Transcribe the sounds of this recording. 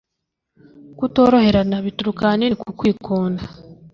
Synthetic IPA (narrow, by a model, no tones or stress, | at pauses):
kuto̞ːɾo̞he̞ɾanaβituɾukanikukwiːkʰoːnda